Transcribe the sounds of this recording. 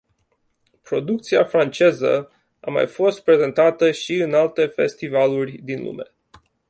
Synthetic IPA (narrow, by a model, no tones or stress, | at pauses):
pɾo̞d̪uk̚t̪siafɾant͡ʃe̞zə̰ | ama̰jfo̞st̪̚pɾe̞ze̞nt̪at̪əʃiɨnalt̪e̞fe̞̰st̪ivalurʲd̪inlṵme̞